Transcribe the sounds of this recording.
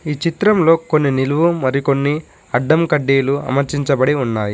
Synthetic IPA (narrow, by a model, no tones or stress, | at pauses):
iːt͡ʃit̪ɾɐmlo̞ːko̞nːiniluʋumɐɾiko̞nːi | ɐɖːɐmkɐɖːiːluɐ̰mɐɾt͡ʃiɲt͡ʃɐbɐɽiunːaːji